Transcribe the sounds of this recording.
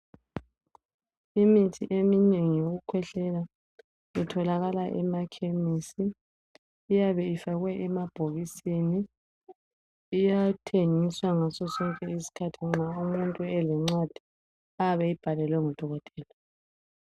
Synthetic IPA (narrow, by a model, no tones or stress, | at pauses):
imitʰiʔemineŋijoɣukʰwɛɬɛla | itʰɔlaɣalaʔɛmakʰemisiː | jaβɛifaɣwɛʔɛmab̥ʱoɣisini | ijatʰeŋiswaŋasɔsɔŋkʼɛisi̥kʰatʰiŋ͡ǁaumuntʼuɛlɛŋ͡ǀad̥ʱi | aaβɛib̥ʱalɛlwɛŋɔd̥ʱɔɣɔtʼɛːla